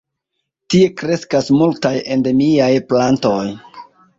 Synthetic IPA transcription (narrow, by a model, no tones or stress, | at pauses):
tie̞kɾe̞skasmultaje̞nde̞miajplanto̞j